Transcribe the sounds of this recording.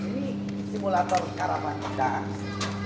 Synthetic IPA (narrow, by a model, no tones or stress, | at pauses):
ini | simulat̪ɔrkaɾapanadaan